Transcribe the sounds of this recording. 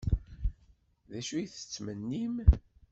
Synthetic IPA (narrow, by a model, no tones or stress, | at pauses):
ðæʃujθə̥t͡sːmənːim